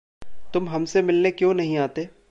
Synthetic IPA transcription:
t̪ʊmɦɐmsemɪlnekjõːnɐɦĩaːt̪eː

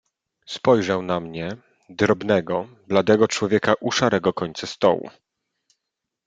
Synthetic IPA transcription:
spɔjʐawnamɲɛ | d̪ɾɔbnɛɡɔ | blad̪ɛɡɔt͡ʂwɔvʲjɛkaʔuʂaɾɛɡɔkɔɲt̪sast̪ɔ̰wṵ

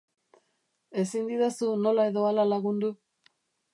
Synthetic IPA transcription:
e̞sind̪iðesuno̞lae̞ðo̞alalaɣund̪u

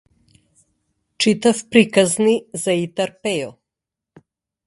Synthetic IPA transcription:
t͡ʃit̪afpɾikaznizait̪aɾpɛɔ

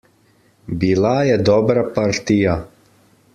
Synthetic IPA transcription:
biːlajɛd̪ɔbɾapaɾt̪ija

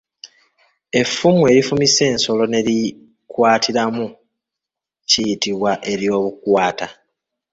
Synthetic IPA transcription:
e̞fːumue̞ɾifumise̞ːnso̞lo̞ne̞ɾi | kwaːtʰiɾamu | cijitiβwaʔe̞ɾjo̞ːβukwaːta

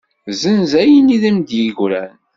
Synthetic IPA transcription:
zənzæjəniðəmd̪jiʝɾæn

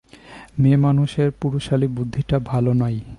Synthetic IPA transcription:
memanuʃeɾpuɾoʃalibud̪ʱːiʈabʱalonɔj

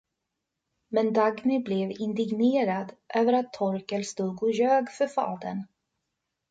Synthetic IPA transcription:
mɛnd̪aɡnɪblɛvɪnd̪ɪɡneːɾad̪ʔøːvəɾat̪ʰːɔɾkəlst̪uːɡɔjøːɡfœɾfɑ̰ːd̪ə̰n

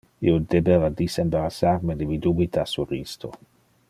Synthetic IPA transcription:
ḭod̪ebevad̪isembaɾasarmed̪emid̪ubit̪asurist̪o̰

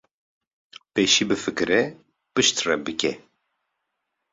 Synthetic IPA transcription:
peːʃiːbɨfɨkɨɾɛ | pɨʃt̪rɛbɨkɛ

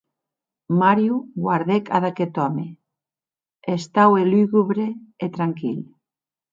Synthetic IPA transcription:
maɾjuɣwaɾðekʰaðaket̪ɔme | est̪aweliɣuβɾeet̪ɾaŋkil

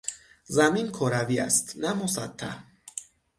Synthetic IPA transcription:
zaminkʰɔɾavia̰st̪namosa̰t̪ʰːa̰

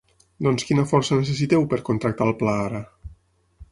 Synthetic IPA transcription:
d̪ɔnskinəfɔɾsənes̬esit̪ɛwpəɾkont̪ɾək̚t̪alˠplaaɾə

